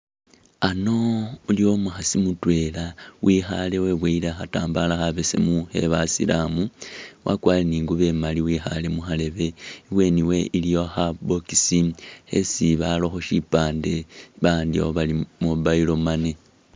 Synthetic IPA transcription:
ano̞uljo̞muxasimutwe̞lawʔixa̰le̞we̞βweilaxataːmbalaxaβesḛmuhe̞̰βasḭlamuwʔa̰kwaːleniːŋɡuβe̞maliwiːxa̰le̞muxale̞βe̞iβwe̞niwe̞ʔilijo̞xabokisihḛsiβalo̞xoʃipaːnde̞βaːndioβalimoβailo̞mane

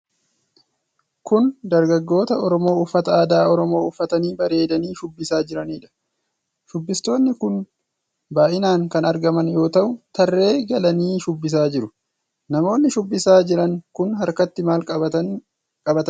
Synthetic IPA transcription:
kʊnd̪ɐɾɡɐɡːo̞ːt̪ɐɔɾɔmo̞ːʊfːɐt̪ɐaːd̪aːɔɾɔmo̞ːʊfːɐt̪ɐniːbɐɾe̞ːd̪ɐniːʃʊbːɪsaːd͡ʒɪɾɐniːᶑɐ̥ | ʃʊbːɪst̪o̞ːnːɪkʊn | baːʔɪnaːŋkɐnɐɾɡɐmɐnjo̞ːt̪ɐʔʊt̪ɐrːe̞ːɡɐlɐniːʃʊbːɪs̬aːd͡ʒɪɾʊ | nɐmo̞ːnːɪʃʊbːɪsaːd͡ʒɪɾɐŋkʊnɦɐɾkɐt̪ːɪmaːlʼɐ | kʼɐbɐt̪ɐ

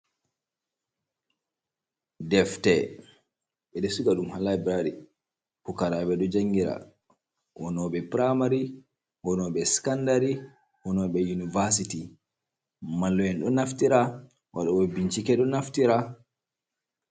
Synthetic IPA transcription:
dɛftɛ | ɓɛɗɛsuɡaɗumhalabɾaɾi | pukaɾaɓɛɗɔd͡ʒaŋɡiɾa̰ | wɔnɔɓɛpɾamaɾi | wɔnɔɓɛskandaɾi | wɔnɔɓɛjunivas̬iti | malːɔɛnɗɔnaftiɾa | waɗɔwɛbiɲt͡ʃikɛɗɔnaftiɾa

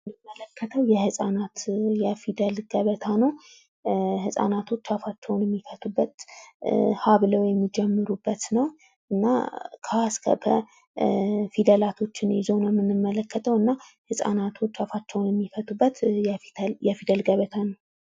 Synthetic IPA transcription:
nɨmːələkʰːət̪ʰəwjɛhɨsʼanat̪jɛfid̪əlɡ̥əβət̪ʰanəw | hɨsʼa̰nat̪ʰo̞t͡ʃːafat͡ʃːɛwnjɛmːifət̪ʰubːət̪ | haβləwjɛmːid͡ʒɛmːɨɾubːət̪nəw | ʔɨnːa̰kʰskʰə̰bə̰ | fid̪əlat̪ʰo̞t͡ʃːɪnɛzownɛmːɨnːɨmːələkːət̪ʰəwɨnːahɨsʼa̰nat̪ʰo̞t͡ʃːafat͡ʃːɛwnjɛmːifət̪ubːət̪fjɛfid̪əlɡəβət̪ʰanəw

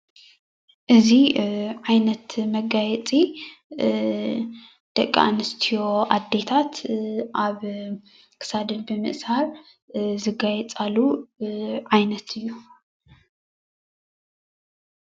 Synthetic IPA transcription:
ʔɨziʕajnɐt̪mɐɡajɛt͡sʼi | d̪̥ɐkʼːa̰nɨst̪ʰijo̞ʔad̪ːe̞t̪ʰat̪ʔaβ | kʰɨ̥sad̪ɨnbɨmɨ̰ʔshaɾ | zɨɡajɛt͡sʼalːu | ʕajnɐt̪ʰɨjːu

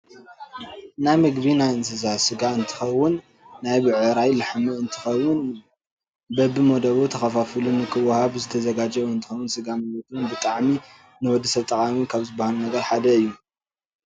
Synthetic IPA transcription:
najmɐɡbinajɨnsɨzasɨɡaɨnt̪ʰɨ̥xɐwʊnː | ajbɨʕɨɾajlɨħmɨɨnt̪ʰɨxɐwːʊn | bɐbːɨmɐd̪ɐβut̪ʰɐxɐfafɨlunɨkʰɨwɐhaβzɨt̪ʰɐzɐɡad͡ʒɐɨnt̪ʰɨ̥xɐwːʊnsɨɡamɨjot̪ʰunbɨt̪ʼaʕmi | nɨwɔd̪ːɐsɐβt̪ʼɐkʼamikʰaβzɨbːahalunɐɡɐɾħad̪ɐɨjːu

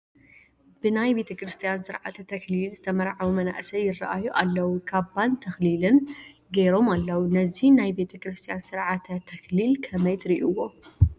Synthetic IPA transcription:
b̥ɨnajbe̞t̪ʰɐkɾɨst̪ʰijansɨɾʕa̰t̪ʰɐt̪ʰɐklilzɨt̪ʰɐmɐɾʕawumɐna̰ʔsɐjɪra̰ʔajuʔalːɐwukʰaβbant̪ʰɐxlilɨn | ɡeɾo̞malːɐwunɐzinajbe̞t̪ʰɐkɾɨst̪ʰijansɨɾʕat̪ʰɐt̪ʰɐklilkʰɐmɐjt̪ʰɾiʔuwːo

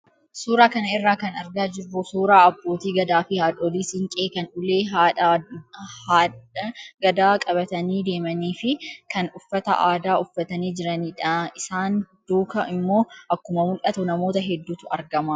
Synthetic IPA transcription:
suːɾaːkɐnɐɪrːaːkɐnɐɾɡaːd͡ʒɪrːʊsuːɾaːɐbːo̞ːt̪iːɡɐd̪aːfɪhaːᶑoːliːsɪŋkʼeːkɐnʊle̞ːɦa | ɡɐd̪aːkʼɐbɐt̪ɐniːd̪e̞ːmɐniːfɪkɐnʊfːɐt̪ɐ̰ʔaːd̪aːʔʊfːɐt̪ɐniːd͡ʒɪɾɐniːᶑaɪsaːnd̪̥uːkɐɪmːo̞ːʔɐkːʊmɐmʊlʔɐt̪ʊnɐmo̞ːt̪ɐɦɛd̪ːuːt̪ʊɐɾɡɐmaː

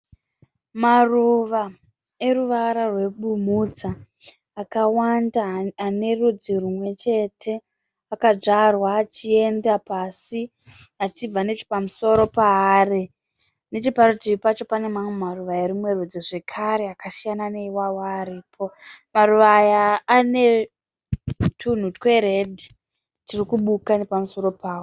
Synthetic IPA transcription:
maruʋa | e̞ruʋaɾarwe̞ɓumud͡zaː | kawandaane̞rud͡zirumwe̞t͡ʃe̞tʰe̞ | akad͡ʐarwaːt͡ʃie̞ndapasi | at͡ʃib͡vane̞t͡ʃi̥pamuso̞ɾo̞pare | ne̞t͡ʃiparutiipat͡ʃo̞pane̞mamwemaruʋajarimwe̞rud͡ziʐe̞kʰaɾe̞akasijanane̞iwawaːɾiːpʰo̞maruʋajaːne̞ | tʰun̤utkwe̞ɾedʱi | tirikuɓukane̞pamuso̞ɾo̞paːwo

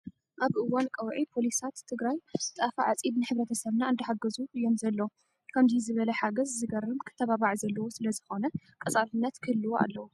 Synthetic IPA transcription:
ʔaβʔɨwːankʼɐwʕipʰo̞lisat̪ʰːɨɡɾajt̪ʼafaʕat͡sʼibnɨħɨβɾɐt̪ʰɐsɐβnaɨnd̪ɐħaɡɐzuʔɨjːo̞mzɐlːɐ | kʰɐmzizɨβɐlɐħaɡɐzzɨɡɐrɨmkʰɨ̥t̪ʰːɐβaβaʕzɐlːɐwosɨlɐzɨxo̞nɐkʼɐt͡sʼafɨnːɐt̪kʰɨlːɨwoʔa̰lːɐwu

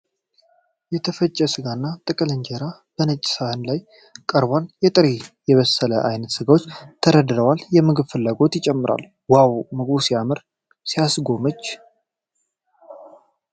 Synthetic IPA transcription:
jɛt̪ʰəfət͡ʃʼːɛsɨɡanːat̪ʼɨkʼɨlɨɲd͡ʒeɾab̥ənət͡ʃʼːɪ̥sahɨnlaj | kʼəɾbaljɛt̪ʼɨɾejɛβəsːələʔa̰jnət̪sɨɡawot͡ʃːt̪ʰəɾəd̪ɾəwaljɛmɨɡɨβfɨlːaɡo̞t̪jɪt͡ʃʼɛmːɨɾʔa̰lː | wawmɨɡbusijamɨɾ | sijasɡo̞mət͡ʃː

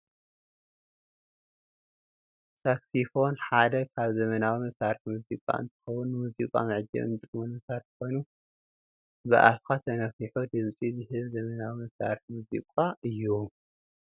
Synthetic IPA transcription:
saksifo̞nħad̪ɐkʰaβzɐmɐnawimɐsaɾiħmuzikʼa̰ʔɨ̰nt̪ʰɨ̥xɐwːʊnːɨmuzikʼa̰mɨʕd͡ʒɐ̰βɨ̰nt̪ʼɨkmunmɐsaɾħko̞jnu | bɨ̰ʔa̰fkʰat̪ʰɐnɐfiħud̪ɨmt͡sʼizɨhɨβzɐmɐnawimɐsɾa̰ɾiħmuzḭkʼaʔɨjːu

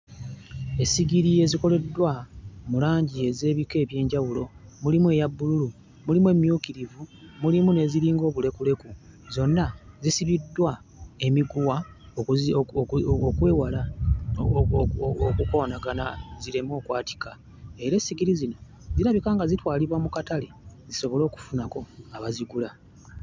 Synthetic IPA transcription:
e̞siɡiɾie̞ziko̞le̞dːwamulaːɲɟie̞ze̞ːβike̞ːβje̞ːɲɟawulo̞mulimue̞jabːululu | mulimue̞mjuːkiɾivumulimune̞ziɾiːŋɡo̞ːβule̞kule̞ku | zo̞nːazisiβidːwa | e̞miɡuwa | okweːwala | okuko̞ːnaɡanaziɾemo̞ːkwaːti̥ka | e̞ɾe̞siɡiɾizino̞ | ziɾaβikaːŋɡazitwaːliβwamukataleziso̞βo̞lo̞ːku̥funako̞aβaziɡula

